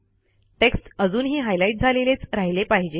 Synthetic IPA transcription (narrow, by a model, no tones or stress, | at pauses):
ʈeksʈəd͡zuːnɦiːɦajlaiʈ̚d͡zʱalelet͡sɾaɦilepaɦid͡ʑe